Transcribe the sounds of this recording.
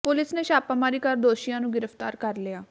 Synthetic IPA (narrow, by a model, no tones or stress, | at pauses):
pʊlɪsneːʃaːpaːmaːɾiːkəɾd̪oːʃijãːnũːɡɪɾəft̪aːɾkəɾlɪaː